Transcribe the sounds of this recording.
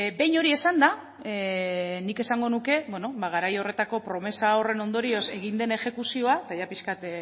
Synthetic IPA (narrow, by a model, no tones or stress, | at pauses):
be̞jɲo̞ɾie̞sand̪a | nike̞saŋɡo̞nuke̞βweno̞baɣ̞aɾajo̞re̞t̪ako̞pɾo̞me̞sao̞re̞no̞nd̪o̞ɾio̞se̞ɣ̞ind̪e̞ne̞xe̞kusio̞at̪aʝapiskat̪